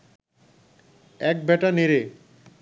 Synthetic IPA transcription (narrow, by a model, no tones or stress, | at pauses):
ɛk̚bɛʈaneɾe